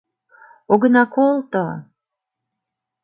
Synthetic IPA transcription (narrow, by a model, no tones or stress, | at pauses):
oɣənɑkolt̪ə